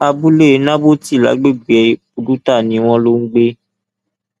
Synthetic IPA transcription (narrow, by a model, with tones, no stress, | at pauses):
a˧bu˦le˦˨˦nã˦bo˦ti˦˨la̰˨˦ɡ͡be˦ɡ͡bɛ˨ | o˨du˦ta˦˨nĩ˨˦w̃ɔ̃˦lo˦ŋ̩˦ɡ͡be˦